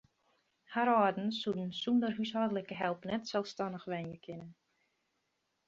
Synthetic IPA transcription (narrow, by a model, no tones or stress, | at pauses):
haɾɔdn̩sudən̩sundəryshɔdələkəɦɛlˠpnɛtsɛlˠfstanəxʋɛnjəkʰɪnən